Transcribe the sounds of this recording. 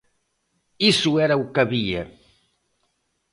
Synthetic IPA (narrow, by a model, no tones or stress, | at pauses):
isuɛɾɐukɐβiɐ